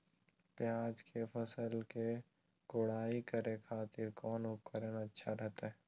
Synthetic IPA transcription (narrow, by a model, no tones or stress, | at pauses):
pjaːd͡ʒkepʰəsəlke | kʊɽ̤aːikəɾekʰaːt̪ɪɾkɔːnʊpkəɾənətːʃʰaɾɛɦt̪aɦɛː